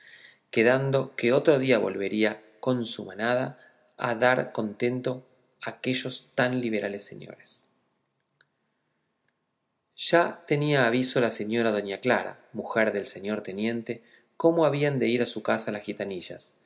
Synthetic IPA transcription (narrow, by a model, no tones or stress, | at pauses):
ke̞ðand̪o̞keo̞t̪ɾo̞ð̞iaβo̞̰lβe̞ɾia | ko̞nsumanaða | a̰ðaɾko̞nt̪e̞nt̪o̞ | ake̞ʒo̞st̪anliβ̞e̞ɾʔalesːe̞̰ɲo̞̰ɾes | ʒ̥at̪e̞niaːβiso̞lase̞ɲo̞ɾað̞o̞ɲakla̰ɾa̰ | muxeɾðe̞lse̞ɲo̞ɾt̪e̞nje̞nt̪e̞ | ko̞mo̞aβiand̪e̞iɾasukasalasxit̪aniʒa̰s